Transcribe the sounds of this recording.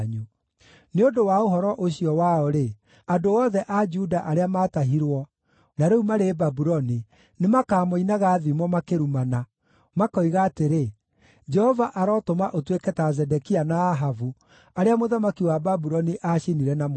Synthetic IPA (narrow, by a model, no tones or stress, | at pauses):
ɲu | neodowaoɦɔɾɔʔoɕiɔwaɔɾe | adoɔðɛʔad͡ʒudaʔaɾeamaːtaɦiɾwɔ | naɾeumaɾebabuɾɔni | nemakaːmoinaɣaːðimɔmakeɾumana | makɔiɣaːteɾe | d͡ʒɛhɔvaʔaɾɔtomaʔotwekɛtazɛdɛkianaːɦavu | aɾeamoðamakiwababuɾɔniʔaʃiniɾɛnam